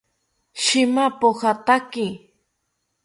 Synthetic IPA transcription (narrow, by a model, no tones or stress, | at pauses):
ʃɪmapohat̪akɪ